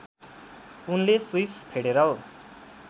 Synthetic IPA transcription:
unleswispʰeɽeɾʌl

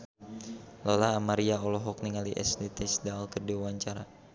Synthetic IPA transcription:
lɔlaːmaɾiaɔlɔɦɔk̚niŋaliʔɛ̰slit̪isdalkərdiwawaɲt͡ʃaɾa

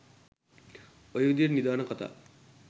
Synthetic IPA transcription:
ojʋd̪irnid̪aːnɐkɔt̪a̰ː

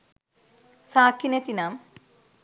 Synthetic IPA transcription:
saːkːinet̪inaːm

